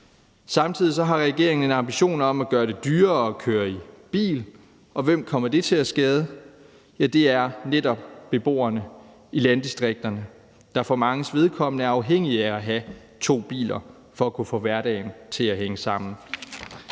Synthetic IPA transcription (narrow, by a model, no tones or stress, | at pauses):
sɑ̈mt͡sʰið̰ˠis̬ɒ̽ɦɑ̈ʁɛɡ̥e̝ɐ̰eŋn̩enɑ̈mb̥iɕo̝̰ːnɒ̽mæɡ̥ɶːɐɾ̥e̝d̥yːɐɒ̽kʰøːɐib̥ḭːl | ɒ̽ʋem̰kʰɒ̽m̰ɐd̥e̝t͡sʰe̝læsɡ̥ɛːð̞ˠə | jæd̥e̝æɐnedɾɒ̽b̥b̥e̝b̥o̝̰ːɐnə | ilænd̥isd̥ʁeɡ̥̚d̥ɐnə | d̥ɑ̈fɒmɑ̈ŋəsʋe̝ð̞ˠkʰɒ̽m̰ənəæɐɑ̈ʊɦeŋ̰iææɦæ | t͡sʰo̝̰ːb̥ḭːlɐ | fɒ̽ækʰufɔ̰ʋæɐɾɛ̰ɪnt͡sʰe̝læɦeŋəsɑ̈m̰n̩